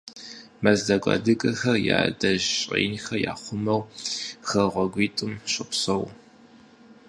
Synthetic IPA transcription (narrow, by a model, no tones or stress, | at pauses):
mɐzdɐɡʷʼɑ̰dɨkʼɐxɐrja̰ːdɐʑɕʼḛːnxɐja̰ːχʷʊmɐwxɐʁʷɔɡʷiːtʼɨmɕʼɪpsɐw